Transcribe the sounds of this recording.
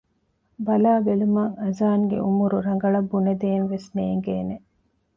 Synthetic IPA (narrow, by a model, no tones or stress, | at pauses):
bɐlaːbelumaŋɐzaːŋɡḛʔumuɾuɾɐŋɡɐɭɐbːunɐd̪eːnʋesneːŋɡeːne